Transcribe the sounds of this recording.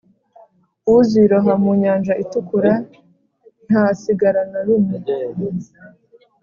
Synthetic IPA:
uziɾoɦamuɲaːnd͡ʒaʔitukuɾa | n̥haːsiɡaɾanaɾume

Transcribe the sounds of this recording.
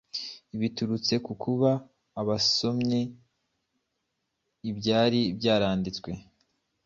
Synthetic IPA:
iβituɾut͡se̞kukʰuβaː | βaso̞mɲe̞ | ibɟaːɾibɟaːɾaːndit͡skwe̞

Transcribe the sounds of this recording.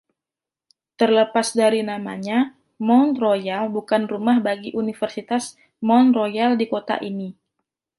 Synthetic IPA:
t̪ərləpasdaɾinama̰ɲa | mɔnrojalbukanrumahbaɡiʔunifərsit̪as | mɔnrojaldikot̪a̰ʔini

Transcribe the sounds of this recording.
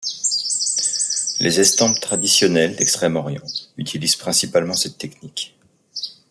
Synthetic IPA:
lʔezɛst̪ɑ̃pt̪χad̪isjɔnɛld̪ɛkst̪χɛmɔʁjɑ̰̃yt̪ʰiliz̥pχɛ̃sipalmɑ̃sɛt̪ːɛknik

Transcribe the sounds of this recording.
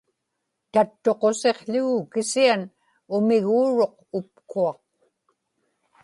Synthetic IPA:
t̪at̪ːo̞qo̞se̞qɬʊɣukɪsian | ʊmɪɣuːɻo̞q̚ | ʊp̚kuɑq

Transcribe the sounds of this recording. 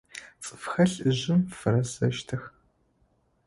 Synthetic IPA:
t͡sʼɨfxɐɬɨʑɪmfɨɾɐzɐʃtʰɐx

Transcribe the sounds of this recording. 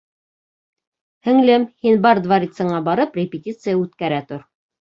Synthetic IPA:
hɘ̆ŋlɘmhinbɑɾd̪vaɾʲit̪sə̆ɴɑbɑɾɤprʲɪpʲɪtʲit̪sɨjəʉt̪kæɾæt̪oɾ

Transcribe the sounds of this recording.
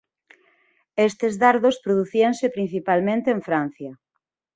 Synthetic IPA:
est̪ezðaɾðospɾoðuθiaŋsepɾin̟θipalmẽnt̪eːɱfɾan̟θjɐ

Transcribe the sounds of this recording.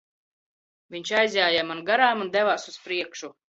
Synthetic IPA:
vʲiɲʲt͡ʃajzʲjaːjamanɡaɾaːmund̪ɛvaːsuspɾiɛkʃu

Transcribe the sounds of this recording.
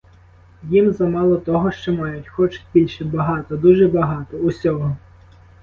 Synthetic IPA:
jimzɐmɑlˠɔt̪ɔɦɔʃt͡ʃɔmɑjʊtʲxɔt͡ʃʊ̥tʲbʲilʲʃɛbɐɦɑt̪ɔd̪uʒɛbɐɦɑt̪ɔusʲɔɦɔ

